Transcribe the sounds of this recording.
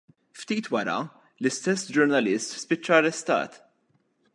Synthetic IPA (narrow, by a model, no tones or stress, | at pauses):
ft̪iːt̪wɐɾɐ̰ | lɪst̪ɛsːd͡ʒʊɾnɐlɪst̪spɪt͡ʃːɐɐrɛst̪ɐ̰ːt̪